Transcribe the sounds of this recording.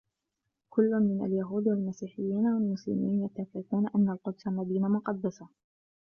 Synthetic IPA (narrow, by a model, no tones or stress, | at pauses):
kʊlːʊnmɪna̰ljaɦuːd̪walmasiːħɪjːiːnawalmʊslɪ̰miːnjat̪ːafɪfuːnaʔanːalqʊd̪salmad̪iːnamʊqɑd̪ːasa